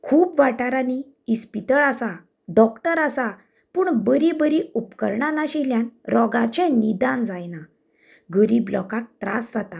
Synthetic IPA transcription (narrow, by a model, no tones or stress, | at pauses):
kʰuːpʋaʈaɾani | ispit̪əɭasa | ɖɔkʈəɾasa | puːɳbəɾibəɾiupkə̰ɾɳanaɕiljanɾɔɡat͡ɕɛ̃nid̪ãnd͡zajna | ɡəɾiːblɔ̰kak̚t̪ɾa̰sd͡zat̪a